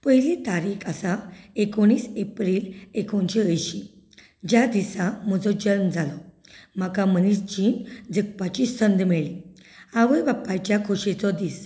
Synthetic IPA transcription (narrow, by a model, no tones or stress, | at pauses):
pəɦilit̪aɾiːkʰasaekoɳ̃iːsepɾiːlekont͡ɕiəjɕi | d͡ʑjad̪isam̤ɔd͡zɔd͡ʑəɾmd͡zalɔ | m̤akamənisd͡ʑid͡zək̚pat͡ɕisənd̪meɭi | aʋəjbapːajt͡ɕjakʰoɕet͡sɔd̪iːs